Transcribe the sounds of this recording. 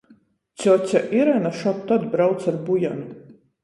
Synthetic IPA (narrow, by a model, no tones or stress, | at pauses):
t͡s̪ʲɔt̪ʲaʔiɾɛnaʃɔp̚t̪ɔd̪bɾawt̪saɾbujan